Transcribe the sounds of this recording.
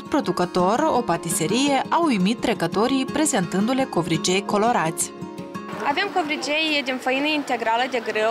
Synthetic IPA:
pɾo̞d̪ukət̪o̞ro̞pat̪ise̞ɾije̞ʔawujmit̪ːɾe̞kət̪o̞ɾijpɾe̞ze̞nt̪ɨnd̪ule̞ko̞vɾit͡ʃe̞jko̞lo̞ɾat̪sʲ | avemko̞vɾit͡ʃejd̪infəjinəint̪e̞ɡɾaləd̪e̞ɡɾe

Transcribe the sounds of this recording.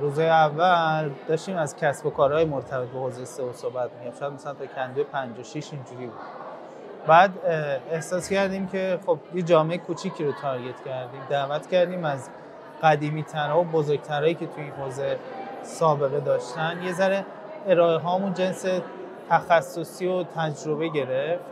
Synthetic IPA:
ɾuːzhɒːjeævːæld̪ɒːʃt̪iːmæzcʰæsbo̞kʰɒːɾɒːjemo̞ɾt̪ʰæbe̞t̪̚be̞hozejseosohbæt̪mijofʃæd̪mæsælænt̪ʰɒcʰænd̪ujpʰænd͡ʒoʃiʃind͡ʒuɾiːbud̪̥ | bæːd̪ehsɒːscæɾd̪iːmcʰe̞χo̞bjed͡ʒɒːme̞ekʰut͡ʃʰiːcʰiːɾot̪ʰɒɾɡe̞t̪ʰcʰæɾd̪iːmd̪æːvæt̪ʰcæɾd̪iːmæz | ɢæd̪iːmiːt̪ʰæɾɒːobozoɾɡ̚t̪ʰæɾɒːjiːcʰe̞t̪ʰuinɦoːze̞sɒːbe̞ɣed̪ɒːʃt̪ænje̞zæɾe | eɾɒːeɦɒːmund͡ʒe̞nse | t̪ʰæxæsːo̞siːot̪ʰæd͡ʒɾo̞βe̞ɟe̞ɾeft̪

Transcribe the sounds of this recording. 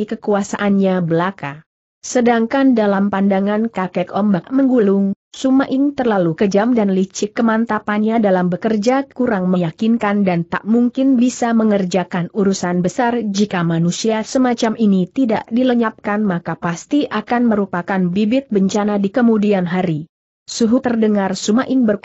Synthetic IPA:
ikəkuasaʔanɲabəlaka | sədaŋkandalampandaŋankakɛkɔmbaʔməŋɡulʊŋ | sumaʔɪŋt̪ərlalukəd͡ʒamdanlit͡ʃɪkːəmant̪apanɲadalambəkərd͡ʒakuɾaŋməjakinkandant̪a̰ʔmuŋkɪnbisaməŋərd͡ʒakanuɾusanbəsard͡ʒikamanusiasəmat͡ʃaminit̪ida̰ʔdiləɲap̚kanmakapast̪iʔakanməɾupakanbibɪt̪̚bəɲt͡ʃanadikəmudianɦaɾi | suɦut̪ərdəŋarsumaʔɪŋbər

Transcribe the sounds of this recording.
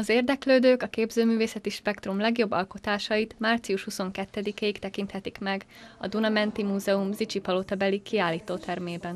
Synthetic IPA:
ɒzeːrd̪ɛkløːd̪øːkɒkeːbzøːmyːveːsɛt̪iʃpɛkt̪rumlɛɡjo̞bːɒlko̞t̪aːʃɒjit̪maːrt̪sijuʃhuso̞ŋkɛt̪ːɛd̪ikeːikt̪ɛkint̪hɛt̪ikmɛɡ | ɒ̰d̪unɒmɛnt̪imuːzɛumzit͡ʃipɒlot̪ɒbɛlikiaːlːiːt̪oːt̪ʰɛrmeːbɛn

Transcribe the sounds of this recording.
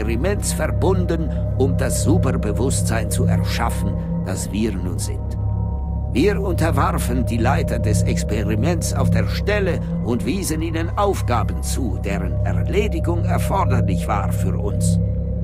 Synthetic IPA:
ʁimɛnsfɛɐbʊndən | ʔʊmdasz̥uːpɐbəvʊstz̥aɪnt͡suɛɐʃafn̩ | d̥asv̥iːnuːnzɪ̰nt | viːɐʊntɐvaʁfəndiːlaɪtɐdɛsɛkspeʁimɛnsa̰ʊfd̥eːɐʃtɛlə | ʔʊntv̥iːzəniːnənʔaʊfɡ̥aːbən̩t͡suːd̥eːʁənɛɐleːdɪɡʊŋɛɐfɔɐdɐlɪçv̥a̰ːʁfyːɐʔʊ̰ns

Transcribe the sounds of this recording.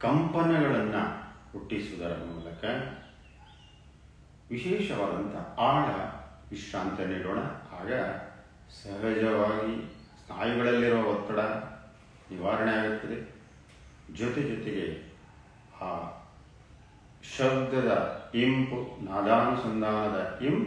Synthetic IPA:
kɐmpɐnɐɡɐɭɐnːukuʈːisuud̪ɐɾɐmuːlɐkɐ | ʋiʃɛːʃɐʋaːd̪ɐnt̪ʰɐ̰aːɽɐʋiʃɾaːnt̪ɐniːɽoːɳɐ̰aːɡɐ | sɐɦɐd͡ʒɐʋaːɡi | st̪ʰaːjiɡɐɭɐlːiɾuʋɐɦɔt̪ːɐɽɐ | niʋaːɾɐɳejaːɡut̪ːɐd̪e | d͡ʒɔt̪ed͡ʒɔt̪eɡe | aː | ʃɐbd̪ʱːɐd̪ɐimpunaːd̪aːmɐsɐnd̪ʱaːnɐd̪ɐimp

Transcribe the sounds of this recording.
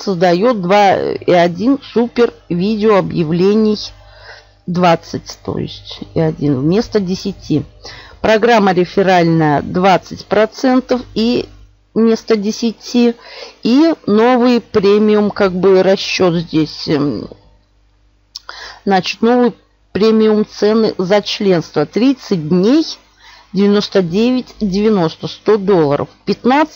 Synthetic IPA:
səzd̪ɐjot̪̚d̪vaḭɐdʲinsupʲɪrvʲidʲɪoɐbjɪvlʲenʲɪj | d̪vat̪sɨtʲt̪o̰jɪ̰sʲtʲḭɐdʲinmʲe̞st̪ədʲɪsʲɪtʲipɾɐɡɾamːəɾʲɪfʲɪɾalʲnəjə̰d̪vat̪sɨtʲpɾɐt̪sɛnt̪əfi | mʲe̞st̪ədʲɪsʲɪtʲiino̞vɨjpɾʲemʲɪʊmkaɡ̚bɨɾɐɕːo̞t̪zʲdʲesʲ | znat͡ɕɪ̥t̪no̞vɨj | pɾʲemʲɪʊmt̪sɛnɨ̰zɐt͡ɕlʲe̞nst̪vət̪ɾʲit̪sɨt̚ʲdʲnʲej | dʲɪvʲɪno̞st̪ədʲevʲɪtʲdʲɪvʲɪno̞st̪əst̪o̞d̪o̞lˠːə̰ɾʔə̰fpʲɪt̪nat̪sʲ

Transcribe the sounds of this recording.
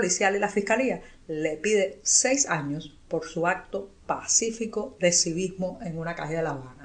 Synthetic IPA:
olisjalilafihkalia | le̞piðe̞se̞jsaɲos | po̞ɾsuak̚t̪o̞pasifiko̞ðe̞siβizmoʔe̞ŋunakaheðelaβana

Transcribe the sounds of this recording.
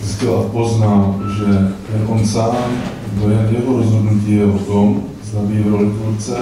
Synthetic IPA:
ɪscɛlapoznalʒɛ | ɛʔonsaːm | d̪ojɛnjɛɦoɾozɦodnuciːjɛot̪om | zd̪abiːvɾolɪfult͡sɛ

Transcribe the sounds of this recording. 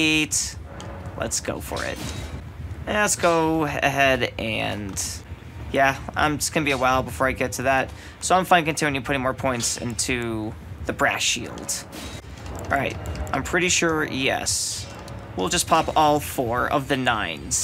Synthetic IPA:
t | lə̰tsɡ̥oʊfə̰˞ɪ̰t̚ | lətsɡ̥oʊɨ̰ɦɛɾʔɨ̃n | jæã̰ɪ̃md͡ʒʌsɡ̥ʌ̃nəbiɨwaɪlˠbəfɔɹaɪɡɛtʰɨðæt̚ | soʊãɪ̃ɱfãɪ̃nkɨ̃ntʰɪ̃njɨpʰʊɾɪ̃ŋmɔɹpʰɔ̃ɪ̃ntsɪ̰̃ntʰʉðɨbɹæ̰ʃḭlˠd̥ | ɹa̰ɪt̚ʔãɪ̃mpʰɹ̥ɪɾiʃʊɹjɛ̰s | wilˠd͡ʒʌspʰɑpɔlˠfɔɹʌ̰vðɨnãɪ̃nz̥

